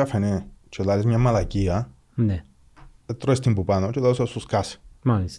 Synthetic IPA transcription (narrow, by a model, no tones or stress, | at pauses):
afenẽt͡ʃolalesɲãmãlakia | ne | et̪ɾoest̪imbupanõt͡ʃolasosuskasmalis